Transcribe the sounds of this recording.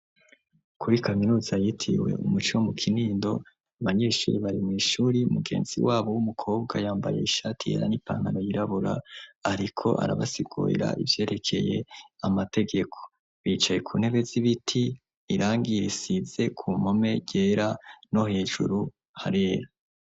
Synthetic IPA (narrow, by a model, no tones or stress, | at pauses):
kʰuɾikaminuːzajitʰḭwe̞̰ʔumut͡ʃiwomukʰiniːndo̞̰ | aβaɲe̞ːʃṵːɾiβaɾimŋiːʃuːɾiumuɡe̞̰ːnz̥ḭwaːβo̞wumukʰo̞ːbɡajaːmba̰je̞̰iʃaːtihḛɾa̰nipa̰ːŋhano̞jiɾaβuɾa̰ːɾikʰo̞ʔa̰ɾaβasiɡṵːḭɾa̰ʔivje̞ːɾe̞kʰe̞̰je̞̰amate̞ɡe̞kʰo̞̥ | βiːt͡ʃaje̞kʰuːnhe̞βe̞ziβitʰiː | ɾaːŋɡiɾisize̞kʰumo̞me̞ɟeːɾano̞he̞ːʒṵɾu | haɾeːɾa